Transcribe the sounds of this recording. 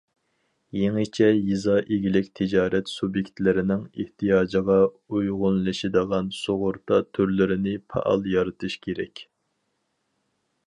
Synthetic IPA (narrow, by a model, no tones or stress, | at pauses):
jeŋɨt͡ʃʰɛjizɑʔeɡʲilɪkʲt̪ʰɪd͡ʒɑːɾɛt̪subjekʲt̪lɪɾɪnɪŋɪht̪ʰijɑːd͡ʒəʁɑ | ujʁʊnlˠɨʃɪd̪əʁɑnsoʁʊɾt̪ɑt̪ʰøɾlɪɾɪnɪpʰɑ̰ʔɑ̰lˠjɑɾɨt̪ʰɨʃkʲʰeɾɛ̰kʲ